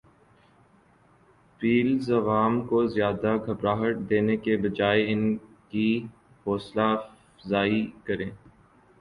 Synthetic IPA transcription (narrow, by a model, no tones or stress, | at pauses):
fiːlzɐʋaːmkozjaːd̪aɡʱɐbɾaːɦəʈ̚d̪eːnekebɐd͡ʒaːeɪnki | fɔːsla | zaːikɐɾẽː